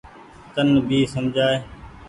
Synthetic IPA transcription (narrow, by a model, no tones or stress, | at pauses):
t̪ənbʱiːsəmd͡ʒʱaːeː